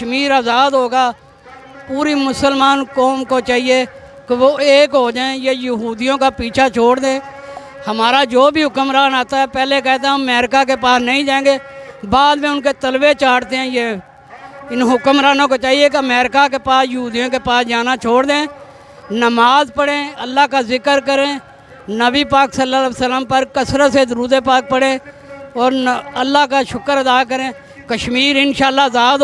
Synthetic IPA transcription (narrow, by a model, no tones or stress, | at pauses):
kəʃmiːɾaːzaːd̪ɦoːɡaː | puːɾiːmʊsəlmaːnkɔːmkoːt͡ʃaːɦieː | keʋoːeːkɦoːd͡ʒaːẽjeːjəɦuːd̪ijõːkaːpiːt͡ʃʰaːt͡ʃʰoːɽd̪ẽː | həmaːɾaːd͡ʒoːbʱiːɦʊkəmɾaːnaːt̪aːɛːpɛːlek̬ɛːt̪emɛːɾkaːk̬eːpaːsnəĩd͡ʒãːẽːɡeː | baːd̪ʋẽːʊnkeːt̪əlʋeːt͡ʃaːɽt̪eɦɛ̃ːjeː | ɪnɦʊkmɾaːnõːkot͡ʃaːɦieːk̬eəmɛːɾɪkak̬epaːsjəɦuːd̪ijõːkepaːsd͡ʒaːnat͡ʃʰoːɽd̪ẽː | nəmaːzpəɽẽːəlːaːkazɪkəɾkəɾẽː | nəbiːpaːksəlːasəlːəmpəɾkəsɾət̪sezɾuːd̪eːpaːk̚pəɽẽː | ɔːɾəlːaːkaʃʊkəɾəd̪aːkəɾẽː | kəʃmiːɾɪnʃaːlːaːzaːd̪